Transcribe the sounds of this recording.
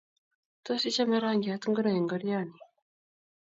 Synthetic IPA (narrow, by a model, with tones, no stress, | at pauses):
to˦si˦t͡ʃa˦me˦ɾaː˦ŋɡi˨at̪u˦ŋɡu˦ɾa˨ji˨ŋɡoɾijani˨